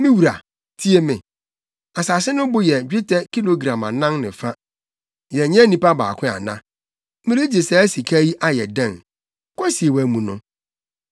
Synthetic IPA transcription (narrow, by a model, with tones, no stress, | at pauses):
mĩ˦wu˨ɾa˨ | tʰi˦e˦mɪ̃˨ | a˨sa˨sɪ˦nʊ̃˦bʊ˦jɛ˨d͡ʑᶣi˦tʰɛ˦ki˦lo˨ɡɾã˨mã˨nã˦ŋnɪ̃˨fa˦ | jɛ˨ɲɛ̃˦nĩ˦pa˦ba̰ː˨kʰʷɪ̃˦a̰˨nã̰˦ | mɪ̃˦ɾi˦d͡ʑe˨sɛ˨˦æ˦si˨kʰa˦ji˦ʔa˦jɛ̰˨dã˦˨n | kʷɔ˦si˨e˨wæ˨mũ˨nʊ̃˦